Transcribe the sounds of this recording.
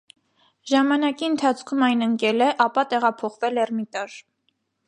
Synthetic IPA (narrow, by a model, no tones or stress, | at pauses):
ʒɑmɑnɑkiənt̪ʰɑt͡sʰkʰumɑjnəŋkɛlɛʔɑpɑt̪ɛʁɑpʰɔχvɛlɛrmit̪ɑɾ